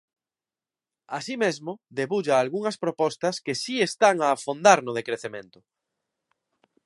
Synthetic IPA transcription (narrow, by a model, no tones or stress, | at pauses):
asimezmoðeβuʎaːlɣuŋɐspɾopɔst̪ɐskesiest̪aŋaːfond̪aɾnʊðekɾeθemḛ̃nt̪ʊ̥